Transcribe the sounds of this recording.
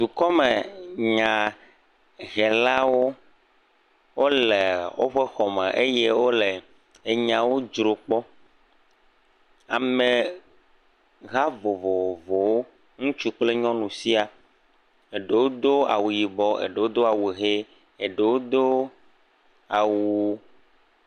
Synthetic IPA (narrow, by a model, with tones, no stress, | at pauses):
d̪u˨kɔ˦me˨ɲã˨ | ɣɛ˨la˦wo˦ | wo˦le˨wo̰˦ɸɛ˦xɔ˨mẽ˨ʔe˦je˦wo˦le˨ | e˨ɲã˨wo˦d͡ʒɾo˨k͡pɔ˦ | a˨me˨ | ɣa˦vo˨vo˨vo˨wo˦ | ŋũ˦t͡ʃu˦k͡ple˦ɲɔ̃˦nũ˨si˦a˨ | e˨ɖe˨wo˦d̪o˦a̰˨wu˨ji˨bɔ˦ḛ˨ɖe˨wo˦d̪o˦a˨wu˨ɦe˦ | e˨ɖe˨wo˦d̪o˦ | a˨wu˨